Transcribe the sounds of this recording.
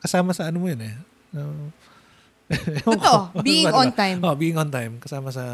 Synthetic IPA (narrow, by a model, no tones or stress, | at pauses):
kɐsaːmɐsɐʔɐnomojonɛ | o | obiɪ̃ont̪ajmoʔbiːɪ̃ŋʔont̪ajmkɐsaːmɐsɐ